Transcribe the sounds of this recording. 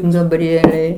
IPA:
ɡɐbʲˈrʲiɛlʲɛɪ

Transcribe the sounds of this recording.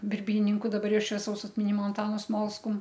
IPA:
bʲɪrʲˈbʲiːnʲɪŋkʊ dɐˈbɐr ˈjɛʊ ʃʲʋʲiɛˈsɐʊs ɐtʲmʲɪˈnʲɪmoː ɐnˈtɑːnʊ ˈsmoːlˠskʊm

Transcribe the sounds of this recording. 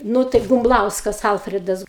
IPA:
ˈnuː tɐɪ bʊmˈblˠɐʊskɐs ˈɐlʲfʲrʲɪdɐs

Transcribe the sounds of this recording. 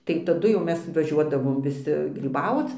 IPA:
tɐɪ tɐˈdʊ jɛʊ ˈmʲɛs ʋɐˈʒʲuɔdɐʋoːm ʋʲɪˈsʲɪ ɡrʲiːˈbɐʊt͡s

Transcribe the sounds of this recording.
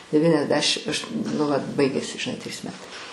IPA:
dʲɛʋʲiːnʲɛzʲˈdʲæːʃʲɪm ɐʃ nʊ ʋɐt ˈbɐɪɡʲeːsʲɪ ʒʲɪˈnɐɪ tʲrʲiːs ˈmʲæːtɐɪ

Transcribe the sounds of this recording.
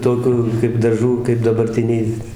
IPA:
ˈtoːkʲʊ kɐɪp dɐˈʒuː kɐɪp dɐbɐrʲˈtʲɪnʲɛɪ

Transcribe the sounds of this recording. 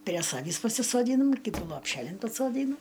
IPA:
pʲrʲiɛ ˈsɑːʋʲiːs pɐsʲɪsoːˈdʲiːnɐm ˈkʲiːtuː lˠoːpʲˈʃʲæːlʲɪn pɐsoːˈdʲiːnʊ

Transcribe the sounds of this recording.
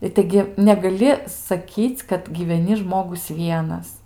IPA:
ɪ ˈtɐɪɡʲɪ nʲɛɡɐˈlʲɪ sɐˈkʲiːt͡sʲ kɐt ɡʲiːʋʲɛˈnʲɪ ˈʒmoːɡʊs ˈʋʲiɛnɐs

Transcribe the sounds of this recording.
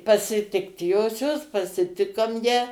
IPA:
pɐsʲɪˈtʲɪkt ˈjoːsʲoːs pɐsʲɪˈtʲɪkoːm jæː

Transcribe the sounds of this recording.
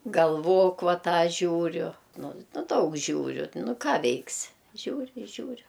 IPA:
ɡɐlˠˈʋoːk ˈʋɐ ˈtɑː ˈʒʲuːrʲʊ ˈnʊ ˈnʊ ˈdɐʊk ˈʒʲuːrʲʊ ˈnʊ ˈkɑː ˈʋʲɛɪksʲɪ ˈʒʲuːrʲɪ ɪ ˈʒʲuːrʲʊ

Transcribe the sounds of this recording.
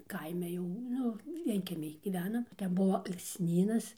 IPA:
ˈkɐɪmʲɛ jɛʊ ˈnʊ ˈʋʲiɛŋʲkʲiɛmʲɪj ˈɡʲiːʋʲɛnɐm ˈtʲɛn ˈbuɔ ɐlˠksʲˈnʲiːnɐs

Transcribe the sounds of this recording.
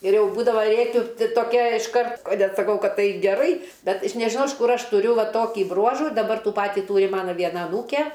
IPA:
ɪr ˈjɛʊ ˈbuːdɐʋɐ ˈrʲeːkʲʊ tʲɪ toːˈkʲɛ ɪʃˈkɐrt ɐ nʲɛt sɐˈkɐʊ ˈkɐt ˈtɐɪ ɡʲɛˈrɐɪ ˈbʲɛt ɪʃ nʲɛʒʲɪˈnɐʊ ɪʃ ˈkʊr ˈɐʃ tʊˈrʲʊ ˈʋɐ ˈtoːkʲiː ˈbruɔʒuː dɐˈbɐr ˈtuː ˈpɑːtʲiː ˈtuːrʲɪ ˈmɑːnɐ ˈʋʲiɛnɐ ɐˈnuːkʲɛ

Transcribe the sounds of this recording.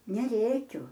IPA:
nʲɛˈrʲeːkʲʊ

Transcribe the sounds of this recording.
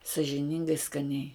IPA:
sɐʒʲɪˈnʲɪŋɡɐɪ skɐˈnʲɛɪ

